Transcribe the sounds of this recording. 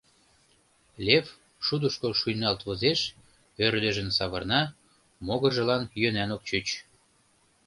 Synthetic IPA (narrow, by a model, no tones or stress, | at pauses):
lʲef | ʃud̪əʃkoʃujnɑlt̪βozeʃ | ørd̪ə̆ʒə̆nsɑβɤrnɑ | moɣə̆ʒə̆lɑnjønænok̚t͡ɕyt͡ɕ